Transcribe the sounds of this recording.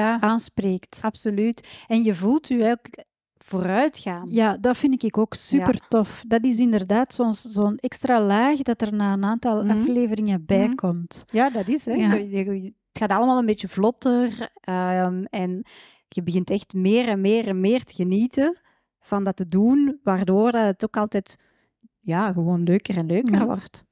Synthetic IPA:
aaːnspreːktɑpsolytɛnjəvuːlˠtyɛlk | v̥oːɾœɥtxaːnjaːdɑtfɪndɪkɪkoːksypərtɔfdɑtɪs̬ɪndərdaːtsɔnszoːnɛkstraːlaːxdɑtərnaːənaːntɑlˠɑfleːvəɾɪŋəbɛːkʰɔmtjaːdɑtɪsɛəətxaːtɑləmaːlˠənbeːt͡ʃəvlɔtərəmɛn | ɣəbəɣɪntɛxtmɪːɾɛnmeːrɛnmeːrtəɣəniːtə | v̥ɑndɑtədunʋaːrdoːrdɑtətokɑlˠtɛːt | jaːɣəwoːnløːkəɾɛnløːkərʋɔ̰rt

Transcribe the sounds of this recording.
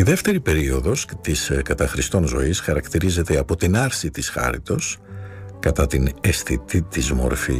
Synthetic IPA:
iðe̞ft̪e̞ɾipe̞ɾio̞ðo̞st̪iskɐt̪ɐxɾist̪o̞nzo̞̰isxɐɾɐkt̪iɾize̞t̪e̞ɐpo̞t̪inɐɾsit̪isxɐ̰ɾḭt̪o̞skɐt̪ɐt̪inesθit̪it̪izmo̞̰ɾfḭ

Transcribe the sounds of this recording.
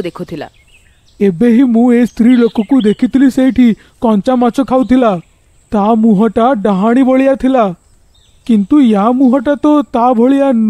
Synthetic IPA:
d̪ekʰut̪ʰila̰ | ebeɦimũest̪ɾilokɔkud̪ekʰit̪ʰilisejʈʰi | kɔnt͡ʃamat͡ʃɔkʰawt̪ʰila | t̪amuɦɔʈaɖaɦaɽ̃ibɔɭijat̪ʰila | kint̪ujamuɦɔʈat̪ɔt̪abʱɔɭijan

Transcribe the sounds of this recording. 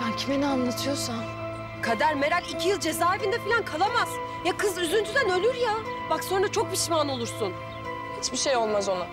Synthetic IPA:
ancʰimenianlˠat̪ʰɯjosan | kʰad̪aɾme̞ɾalʲicʰijɯlˠd͡ʒe̞zaːevind̪ɛfilʲankʰalˠamaz̥ | jakʰɯzyzynd͡ʒ̪ʰyd̪ænø̞lʲyɾja | bakso̞nɾat͡ʃʰo̞k̚biʃimano̞lˠuɾsun | hit͡ʃbiʃejo̞lˠmazo̞nʊ

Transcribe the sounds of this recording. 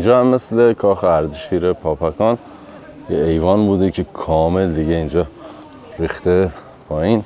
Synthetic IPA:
ind͡ʒɒːhæmːeslekʰɒːxeæɾd̪ʃiːɾepʰɒːpʰækʰɒːn | jeejvɒːnbuːd̪ecʰekʰɒːmeld̪iɟeind͡ʒɒː | ɾiːxt̪ʰe | pʰɒːiːn

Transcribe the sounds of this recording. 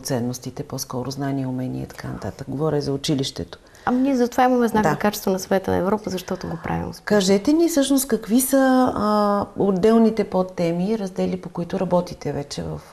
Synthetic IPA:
t̪sɛnːost̪it̪ɛpɔskɔɾʊznaniɛʊmɛnʲḭɛ̰t̪ɐ̥kanɐ̰t̪a̰t̪ək̚ɡovɔɾɛzɐʊt͡ʃiliʃt̪ɛ̰t̪o̥ | aniɛzɐt̪ovaiməmɛznakd̪akat͡ʃɛ̥st̪vɐnɐsɐvɛt̪ənɐ̰ɛvɾɔpəzɐʃt̪ɔt̪oɡopɾa̰vḭmkaʒɛt̪ɛnifsɤʃnost̪̚kɐkvisə | od̪ːɛlˠnit̪ɛpot̪ːɛmiɾɐzd̪ɛlipokʊit̪ʊɾɐbɔt̪it̪ɛvɛt͡ʃɛvə̰f

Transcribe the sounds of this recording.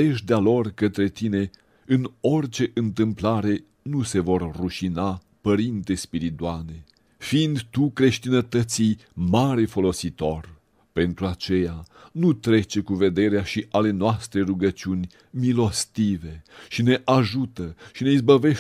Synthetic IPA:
eʃd̪ealo̞rkət̪ɾe̞t̪ine̞ | ɨno̞rt͡ʃe̞ʔɨnt̪ɨmplaɾe̞ | nuse̞vo̞rːuʃina | pəɾint̪e̞spiɾit̪uane̞ | fiːnd̪t̪ukɾe̞ʃt̪inət̪ət̪sijmaɾe̞fo̞lo̞sit̪o̞r | pe̞nt̪ɾuat͡ʃe̞janut̪ɾe̞t͡ʃe̞kuve̞d̪e̞ɾeaʃiʔale̞noast̪ɾe̞ruɡət͡ʃiunʲ | milo̞st̪ive̞ʃine̞ʔaʒut̪əʃine̞izbəve̞ʃ

